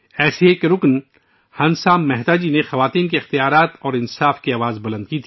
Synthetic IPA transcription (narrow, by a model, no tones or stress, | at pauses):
ɛːsiekeɾʊkn | hɐ̃nsaːmmɛɦt̪aːd͡ʒinexɐʋaːt̪iːnkeɪxt̪ijaːɾaːt̪ɔːɾɪnsaːfkiaːʋaːzbɐlə̃nd̪̚kit̪ʰi